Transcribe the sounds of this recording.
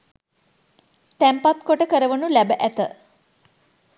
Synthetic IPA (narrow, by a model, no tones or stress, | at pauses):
t̪æmpat̪koʈəkəɾəʋənulæbəʔæt̪ə̰